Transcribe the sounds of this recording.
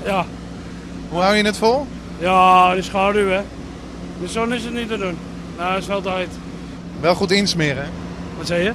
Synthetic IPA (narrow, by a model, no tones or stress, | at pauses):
ja | ɦuhawjənətfolˠ | jaəsχaːdyɛ | nəsonɪsətnitədun | naɪsɔlˠtɛjt | ʋɛlˠχutinsmɪːrɛ | ʋɔtsɛjə